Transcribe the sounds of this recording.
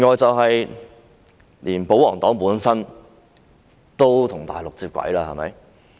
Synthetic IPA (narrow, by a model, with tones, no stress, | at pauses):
ŋɔː˨˧jt͡sɐ˨wɦɐ˨j | liː˨˩npo˨˥wɔː˨˩ŋt̪ɔː˨˥ŋpuː˨˥nsɐ˥n | t̪o˥wt̪ʰʊ˨˩ŋt̪a̰ː˨jlʊ˨k̚t͡siː˧p̚kʷɐ̰˨˥jlaː˧hɐ̰˨jmɐ̰˨˧˥j